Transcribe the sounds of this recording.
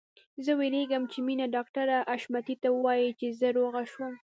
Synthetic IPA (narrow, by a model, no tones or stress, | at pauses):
zəweleɡəmt͡ʃeminaɖɑkʈaɾaʔaʃmat̪it̪awəəwɑjit͡ʃezəɾoɣaʃwəm